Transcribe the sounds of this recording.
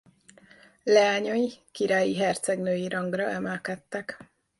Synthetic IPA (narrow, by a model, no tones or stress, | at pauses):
lɛaːɲɒjikiɾaːjiɦɛrt̪sɛɡnøːjiɾɒŋɡrɒʔɛmɛlkɛt̪ːɛk